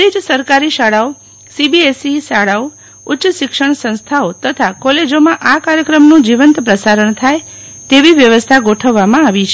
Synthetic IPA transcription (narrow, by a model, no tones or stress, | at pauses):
ɾid͡ʒsəɾkaɾiʃaɽao | sibiesisaɽao | ʊtːʃəʃɪkʂəɳ̃sə̃ñst̪ʰaot̪ət̪ʰakɔled͡ʒomãʔakaɾjəkɾəmnũd͡ʒiʋənt̪pɾəsaɾəɳt̪ʰajt̪eʋiʋjəʋəst̪ʰaɡoʈʰəʋːamãaʋit͡ʃʰe